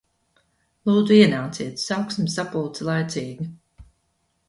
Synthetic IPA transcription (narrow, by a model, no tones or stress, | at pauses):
lˠuːd̪zuiɛnaːt̪siɛt̪sawksmisapult̪silˠajt̪siːɡi